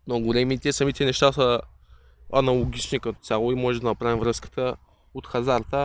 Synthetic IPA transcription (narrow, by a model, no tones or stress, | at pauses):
noɡolɛmit̪ɛsɐmit̪ɛnɛʃt̪asə | ɐnɐlˠoɡʲit͡ʃnikɐt̪o̥tsʲjalˠoimɔʒɛd̪ɐnɐpɾavimvɾɤskə̥t̪ə | ot̪xɐzaɾt̪ə